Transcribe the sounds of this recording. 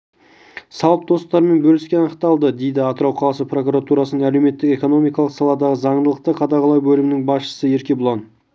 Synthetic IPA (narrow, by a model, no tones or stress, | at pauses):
sɑlˠəp̚d̪o̞st̪ɑɾəme̞nbɵlɪskʲeɑnəqt̪ɑlˠd̪əd̪e̞jd̪ɪɑt̪əɾɑwqʰɑlˠɑsəpro̞kuɾat̪uɾɑsənəŋæle̞wme̞t̪ːɪke̞ko̞no̞mijkɑlˠəqsɑlˠɑd̪ɑʁəzɑɴd̪əlˠəq̚t̪əqʰɑd̪ɑʁɑlˠɑjbɵlɪmɪnɪŋbɑsʃə̥səe̞ɾkʲe̞bʊlˠɑn